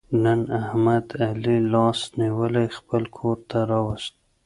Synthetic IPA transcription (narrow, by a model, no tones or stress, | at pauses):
nənahmad̪alilɑsniwəlajxpəlkʰoɾt̪ʰaɾɑwəst̪̚